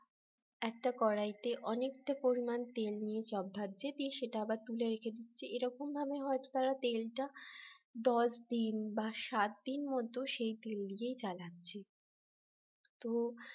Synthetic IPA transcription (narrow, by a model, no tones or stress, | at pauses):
ɛk̚ʈakɔɾajt̪eʔɔnek̚ʈapoɾimant̪elnijet͡ɕɔbʱːat̪̚ːd͡ʑet̪iʃeʈaabaɾt̪uleɾekʰed̪it̪ːɕʰeeɾɔkombʱabeɦɔet̪o̥t̪aɾat̪elʈa | d̪ɔʃd̪inbaʃat̪̚d̪inmɔd̪ʱːoʃejt̪elːijejt͡ɕalatːɕʰe | t̪o